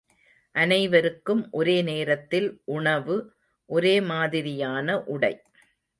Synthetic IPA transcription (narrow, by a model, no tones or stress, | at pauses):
ʔɐnɐɪʋɐɾɯkːɯmʔɔɾeːneːɾɐt̪ːɪlʔʊɳɐʋɯ | ʔɔɾeːmaːðɪɾɪjaːnɐʔʊɽɐɪ